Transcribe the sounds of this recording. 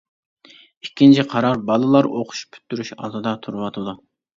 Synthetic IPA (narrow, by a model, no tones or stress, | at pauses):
ikʲːint͡ʃʰiqʰɑɾɑɾbɑlˠɨlˠɑɾʔoqʰʊ̥ʃpʰy̥t̪ːyɾyʃɑ̰lˠd̪ɨd̪ɑt̪ʰuɾɨwɑt̪ʰɨd̪u